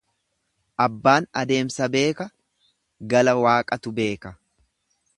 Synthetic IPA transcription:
ʔɐbːaːnɐd̪e̞ːmsɐbe̞ːkɐ | ɡɐlɐwaːkʼɐt̪ʊbe̞ːkɐ

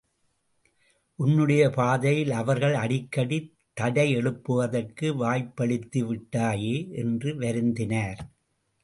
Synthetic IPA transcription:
ʔʊnːɯɽɐjɐpaːðɐjɪlɐʋɐɾɣɐɭɐɽɪkːɐɽi | t̪ːɐɽɐɪɛɭɯpːɯʋɐðɐrkɯʋaːjpːɐɭɪt̪ːiʋɪʈːaːjeːʔɛndrɯʋɐɾɯnd̪ɪnaːɾ

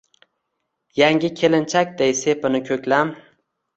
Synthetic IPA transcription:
jaŋɡʲɪkʲʰe̞lɪnt͡ʃʰak̚ʲd̪ejse̞pɪnɪkʲʰɵkʲlam

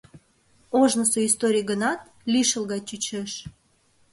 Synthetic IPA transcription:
oʒnəsoist̪oɾʲijɡənɑt̪̚ | lʲiʃəlˠɣɑt͡ɕyt͡ɕeʃ

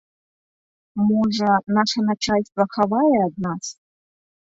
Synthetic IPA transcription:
moʐɐnaʂɐnat͡ʃʰalʲst̪ʼvɐχavajeaːd̪̚nas

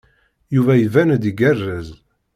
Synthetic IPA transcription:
juvæjəvænd̪iɡærːəz

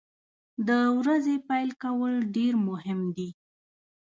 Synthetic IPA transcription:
d̪əwɾazepajlkawəlɖeɾmʊɦɪmd̪i

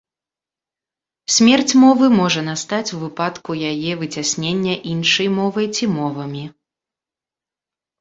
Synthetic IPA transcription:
sʲmʲɛrt͡sʲmɔvɨmɔʐɐnast̪at͡sʲuvɨpat̪kujajɛvɨt͡sʲasʲnʲenʲːɐʔinʂɐjmɔvɐjt͡sʲimɔvɐmʲi

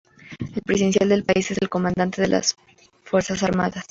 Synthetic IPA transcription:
e̞lpɾesiðens̬jald̪e̞lpaise̞se̞lko̞mand̪ant̪e̞ðela̰s | fwe̞ɾsasaɾmaðas

